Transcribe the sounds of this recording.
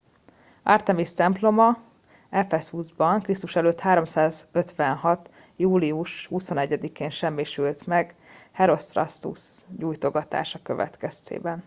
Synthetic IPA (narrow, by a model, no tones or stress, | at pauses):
a̰rt̪ɛmist̪ɛmplo̞mɒ | ɛfɛshuzbɒŋkrist̪uʃɛløːt̪haːɾo̞msaːzø̞t̪ʋɛnɦɒt̪ | juːliuʃhuso̞nɛɟːɛd̪ikeːnʃɛmːiʃylt̪mɛɡhɛɾo̞st̪rɒ̰st̪ṵsɟuːjt̪o̞ɡɒt̪a̰ːʃɒkø̞̰vɛ̰t̪kɛst̪ḛːbɛn